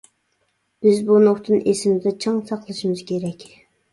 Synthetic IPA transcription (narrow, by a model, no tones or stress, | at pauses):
b̥ɪzbunoχt̪ʰɨnʔesɪmɪzd̪ɛt͡ʃʰɑŋsɑqlˠɨʃimɨz̥kʲeɾɛkʲ